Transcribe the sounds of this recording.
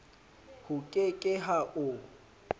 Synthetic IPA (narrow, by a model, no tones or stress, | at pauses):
hʊkʼɪkʼɪɦaʔʊ